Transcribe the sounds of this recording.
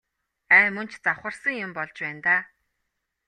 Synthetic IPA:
æːmɵnt͡ɕt͡saχə̆rsə̆ŋjʊmpɔɮt͡ɕpæːnt̪aː

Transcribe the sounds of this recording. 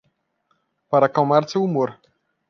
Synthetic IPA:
paɾakawmaɾt̪sɛumuɾ

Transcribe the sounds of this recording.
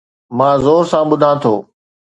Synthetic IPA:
mãːzoːɾsãːɓʊd̪ʱãːt̪ʰoː

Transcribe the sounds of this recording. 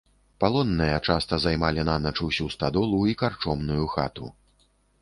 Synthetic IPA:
palˠɔnːɨjɐt͡ʂast̪ɐzajmalʲinanɐt͡ʂuwsʲust̪ad̪ɔlˠuikart͡ʂɔmnujuxa̰t̪ṵ

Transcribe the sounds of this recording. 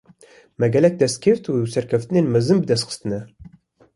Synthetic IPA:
mæɡʲɛlɛk̚d̪ɛst̪kʲʰeft̪ʰusæɾkʲʰæft̪inenmɨzɨmbɨd̪ɛst̪qʰə̥st̪ɨnæ

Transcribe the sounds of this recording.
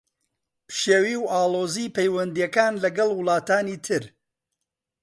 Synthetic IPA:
pʃewiːwʔaːlˠoːziːpejwɐnd̪ijɐkaːnlɐɡɐlˠwʊlˠaːt̪aːniːt̪ʰɨɾ

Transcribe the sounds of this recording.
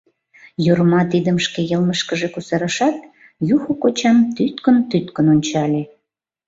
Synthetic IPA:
joɾmɑt̪id̪əmʃkejəlməʃkəʒekusɑɾəʃɑt̪̚ | juxokot͡ɕɑmt̪yt̪kənt̪yt̪kənonʲt͡ɕɑlʲe

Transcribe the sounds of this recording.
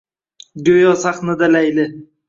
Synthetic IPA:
ɡʲojɒsaχnad̪alajlɪ

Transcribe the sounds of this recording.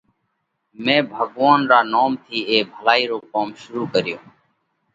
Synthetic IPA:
mẽːbʱəɡʋaːnɾaːnaːmt̪ʰiːeːbʱəlaːiːɾoːkaːmʃʊɾuːkəɾɪjoː

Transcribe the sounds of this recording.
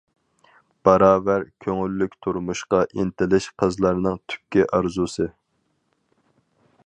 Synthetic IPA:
b̥ɑɾɑːvæɾkʲʰøŋylːykʲt̪ʰuɾmuʃqɑʔint̪ɪlɪʃqʰəzlˠɑɾnɨŋt̪ʰy̥p̚kʲiʔɑɾzusɨ

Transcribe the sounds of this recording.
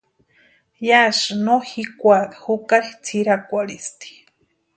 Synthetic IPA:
jaʃnohikʷaɾhukaɾit͡sʰiɾakʷaɾist̪i̥

